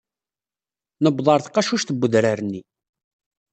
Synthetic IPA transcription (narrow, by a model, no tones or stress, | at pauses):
nəbðˤɑɾˤθqːɑʃuʃθəbːəðɾaɾnːi